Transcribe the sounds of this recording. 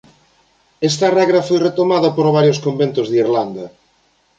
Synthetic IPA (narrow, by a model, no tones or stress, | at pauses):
ɛst̪arɛɣɾafojret̪omaðɐpoɾβaɾjoskombent̪ozðiɾland̪ɐ